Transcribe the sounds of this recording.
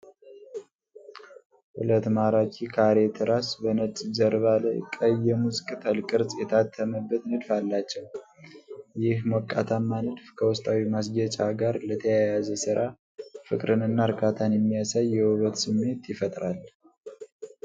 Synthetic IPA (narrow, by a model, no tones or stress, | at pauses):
hṵlət̪maɾat͡ʃʰʼikʰaɾet̪ʰɨɾasbənət͡sʼzəɾβalə̰kʼəjɛmuzɨkʼt̪ʰəlkʼɨɾsʼjɛt̪ʰat̪ʰːəməbːət̪nɨd̪falːat͡ʃːɛw | jɪhmɔkʼːat̪ʰamːanɨd̪fkʰəwɔst̪ʼawimasɡət͡ʃʼaɡaɾlət̪ʰəjajazəsɨɾʔa | fɨkʼɾɨnɨnːaɾkʰat̪ʰanjɛmːijasajːɛwɔβət̪sɨmːe̞t̪jɪfət̪ʼɾal